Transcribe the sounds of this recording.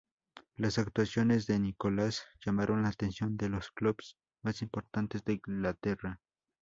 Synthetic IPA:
lasak̚t̪wasjonezd̪enikolasjamaɾʔonlaːt̪ensjond̪elosklubs | masimpoɾt̪ant̪ezd̪eiŋɡlat̪era

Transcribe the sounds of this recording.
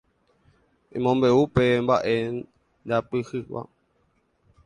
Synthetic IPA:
ĩmõmbeupembaʔe | dapɨhɨwa̰

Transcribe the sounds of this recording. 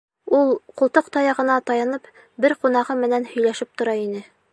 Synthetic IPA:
ulˠqŏlˠt̪oqt̪ɑjɑʁɤ̆nɑt̪ɑjɑnɤp | bɘɾqunɑʁɤmɘ̆nænhɵ̆jlæʃɘp̚t̪ŏɾɑinɘ

